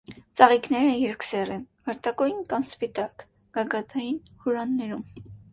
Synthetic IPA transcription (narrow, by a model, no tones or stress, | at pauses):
t͡sɑʁiknɛɾəjɛɾksɛrɛnvɑɾt̪ɑkɔjinkɑmspit̪ɑk | ɡ̥ɑɡɑt̪ʰɑjinhuɾɑnːɛɾum